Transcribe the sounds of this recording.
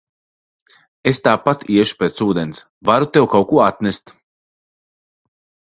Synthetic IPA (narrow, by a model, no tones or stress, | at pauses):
est̪aːpat̪iɛʃu̥peːt̪suːd̪ɛns | vaɾut̪ɛwkawkuɔat̪nʲest̪